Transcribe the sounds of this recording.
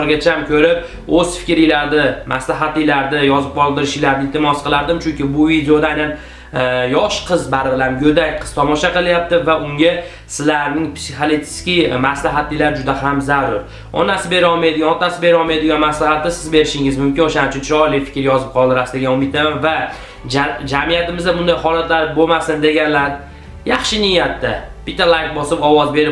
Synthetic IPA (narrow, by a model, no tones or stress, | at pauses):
ɾɡʲat͡ʃʰamkʲʰɵɾɪp̚ | ɵz̥fɪ̥kʲɾɪlaɾd̪ɪmʔaslaɦat̪lɪlaɾd̪ɪjɒzɪp̚qʰɒlˠd̪ɪɾɪʃɪjlaɾd̪ɪlt̪ʰɪmɒsqʰɨlˠaɾd̪ɪmt͡ʃʰʊŋkʲɪbʊvid̪eod̪ajnan | jɒʃqʰɨzbaɾbɪlamɡʲɵd̪ak̚ʲqʰɨz̥t̪ʰɒmɒʃaqɨlˠjap̚t̪ɪvaʔʊŋɡʲa | sɪzlaɾnɪŋpsiχalet̪ʰɪ̥skʲimaslaɦat̪lɪjlaɾd͡ʒʊd̪ahamzaɾʊɾ | ɒ̰nasɪbe̞ɾɪɒlˠmajd̪ɪɡʲanɒt̪asɪbe̞ɾɒlˠmajd̪ɪɡʲanmaslahat̪ːɪsɪzbe̞ɾɪʃɪŋɪzmʊmkʲɪnoʃanɪt͡ʃʰʊnt͡ʃʰɒlɪjfɪ̥kʲɾjɒzɪp̚qʰɒlˠd̪ɪɾasd̪ɪɡʲanʊmɪt̪ʰamanva | d͡ʒad͡ʒamijat̪ɪmɪzd̪abʊnd̪ajɦɒlat̪ʰlaɾbomasɪnd̪e̞ɡʲanlaɾ | jɑχʃɪnɪjːat̪̚ːab̥ɪt̪ʰːalˠajkbɒsɪpɒwɒzbe̞ɾɪ